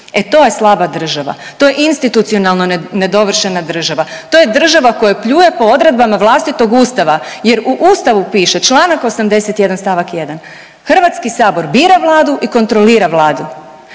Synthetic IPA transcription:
e̞t̪o̞ːje̞slˠabad̪r̩ʒaʋa̰t̪o̞je̞ʔinst̪it̪ut̪sio̞nalˠnone̞d̪o̞ʋr̩ʃenad̪r̩ʒaʋat̪oje̞d̪r̩ʒaʋako̞jepʎuːjepo̞o̞d̪ɾe̞d̪̚bamaʋlˠaːst̪it̪o̞ɡuːst̪aʋaje̞ɾuʔuːst̪aʋupiːʃe̞t͡ʃlˠaːnako̞samd̪e̞set̪je̞d̪anst̪aʋakje̞d̪an | xr̩ʋat̪skisaːbo̞ɾbiːɾaʋlˠaːd̪uʔiko̞nt̪ɾo̞liːɾaʋlˠaːd̪u

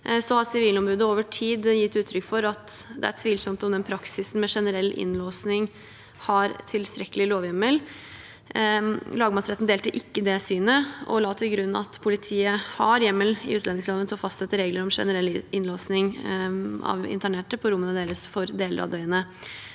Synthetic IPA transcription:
sɔhɑɾsɪʋiːlnɔmbɾʉːd̪əoːʋəʈʰiːd̪jɪt̪ːʉːt̪ʰɾʏkːfɔɾɑt̪d̪ɛ̰æ̰t̪ʰʋiːlsɔmt̪ɔmd̪ɛnpʰɾɑksɪsn̩mɛʂɛnəɾɛlːɪ̰nloːsnɪŋ | hɑɾt̪ʰɪlst̪ɾɛkːəlɪloːʋjɛmːəl | lɑːɡəmɑsɾɛt̪n̩d̪eːlt̪əʔɪkːəd̪ɛsyːnəʔɔ̰lɑːt̪ʰɪlɡɾʉnːɑ̰t̪pʰʊlɪt̪ʰiːəhɑɾjɛmːəlɪ̰ʉːt̪lɛnɪŋsloːʋənsɔfɑst̪sɛt̪ːəɾeːɡləɾɔmʂɛ̰nəɾɛlːɪnloːsnɪŋ | ɑ̰ʋɪ̰nt̪ʰæɳeːʈəpʰɔɾʊmːənəd̪eːɾəsfɔɾd̪eːlə̰ɾɑ̰ʋd̪œʏənə

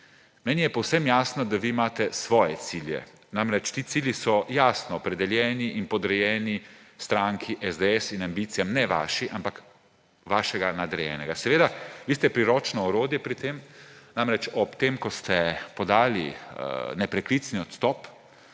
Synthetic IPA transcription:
mɛːnijɛpɔwsɛmjaːsnɔd̪aʋiːmaːt̪ɛsʋɔːjɛt̪siljɛ̰ | namɾɛt͡ʃt̪iːt̪siːljisɔjaːsnɔːpɾɛd̪ɛljɛːniʔinpɔd̪ɾɛjɛːnist̪ɾaŋkʰiʔɛzd̪eɛsinambit̪sijamnɛʋa̰ːʃiʔampak | ʋaːʃɛɡanad̪ɾɛjɛ̰ːnɛɡasɛʋeːd̪aʋiːst̪ɛpɾiɾɔːt͡ʃnɔɔɾoːd̪jɛpɾit̪emnamɾɛt͡ʃɔpt̪emkɔst̪ɛpɔd̪aːlḭ | nɛpɾɛklit̪sniɔt̪st̪ɔp

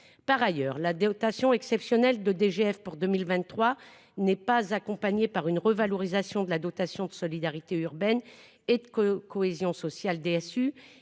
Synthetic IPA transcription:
paʁajœːʁlad̪ɔt̪asjɔ̃ɛksɛpsjɔnɛld̪əd̪eʒeɛfpuʁd̪əmilvɛ̃t̪ːχwa | nɛpazakɔ̃paɲepaʁynʁəvalɔʁizasjɔ̃d̪əlad̪ɔt̪asjɔ̃d̪əsɔlid̪aʁit̪eyʁbɛn | ed̪əkkɔezjɔ̃sɔsjald̪eɛsy

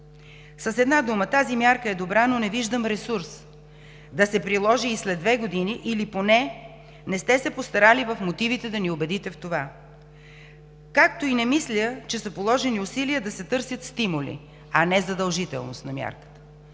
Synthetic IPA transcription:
sɐsɛd̪nad̪umət̪azimjaɾkəɛd̪obɾanonɛviʒd̪əmɾɛsuɾs | d̪ɐsɛpɾilˠɔʒiːslɛd̪vɛɡod̪iniʔiliponɛ | nɛst̪ɛsɛpost̪ɐɾalivəfmot̪ivit̪ɛd̪ɐniobɛd̪it̪ɛft̪ova | kak̚t̪oinɛmislʲət͡ʃɛsəpolˠɔʒɛniʊsiliəd̪ɐsɛt̪ɤɾsʲjət̪st̪imulḭ | ɐnɛzɐd̪əlˠʒit̪ɛ̰lˠno̰st̪nɐmʲja̰ɾkə̥t̪ə̥

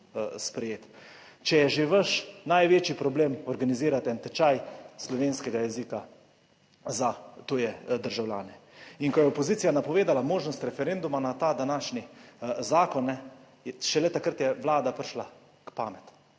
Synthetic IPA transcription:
spɾɛjeːt̪ | t͡ʃɛjɛʒeʋəʃnajʋeːt͡ʃipɾɔbleːmɔɾɡaniziːɾat̪ɛnt̪ɛt͡ʃajslɔʋeːnskɛɡajɛzika | zat̪oːjɛd̪əɾʒawlʲja̰ːnɛiŋkɔjɛɔpɔziːt̪sijanapɔʋeːd̪alamoːʒnɔst̪ɾɛfɛɾend̪umanat̪aːd̪anaːʃnizaːkɔnːɛ | jɛʃɛlɛt̪akəɾt̪jɛʋlaːd̪apɾʃla | kpaːmɛt̪

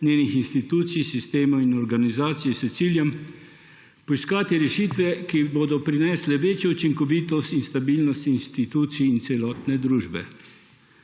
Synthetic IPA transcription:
nʲjeːnixinst̪it̪uːt̪sijsist̪eːmɔinɔɾɡanizaːt̪sijɛsɛt̪siːljɛm | pɔiskaːt̪iɾɛʃiːt̪ʋɛkiboːd̪ɔpɾinɛːslɛʋeːt͡ʃjɔut͡ʃiŋkɔʋiːt̪ɔst̪inst̪abiːlnɔst̪inst̪it̪uːt̪siːnt̪sɛlɔːt̪nɛd̪ɾuːʒbɛ̰

